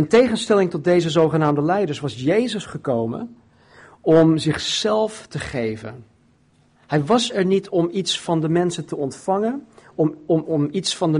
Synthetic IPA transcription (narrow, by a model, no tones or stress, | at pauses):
əntejχənstɛlɪŋtɔd̚dejzəzowχənaːmdəlɛjdəɹsʋɑsjejzəsχəkowmə̰n | ɔmzɪχsɛlˠftəχejvə̰n | hɛjʋɑsɛɹnitʰɔmitsfɑndəmɛnsəntəɔntfɑŋən | mitsfɑndə